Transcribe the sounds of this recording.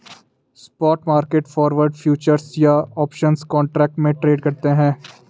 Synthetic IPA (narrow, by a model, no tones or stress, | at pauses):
spɔːʈmaːɾkeːʈfɔːɾʋəɾɖfʰjuːt͡ʃəɾsjaɔːpʃənskɔ̃ːɳʈɾɛːk̚ʈmẽʈɾeːɖkɐɾt̪eɦɛ̃ː